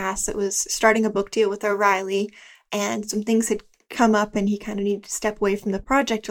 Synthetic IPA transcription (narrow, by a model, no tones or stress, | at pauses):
æsðɨ̰ʔ̚wʌz̥stɑɹɾɪ̃ŋɨbʊk̚d̥ilˠwəðəɹaɪlˠi | ʔɨ̃nsʌ̃mθɪ̃ŋz̥ɨd̚ | kʰʌ̃mʌpɨ̃nikʰãɪ̃ndɨnidɨd̚tʰɨ̥stɛpəweɪfɹʌ̃m̩ðɨpʰɹ̥ɑd͡ʒɛk̚t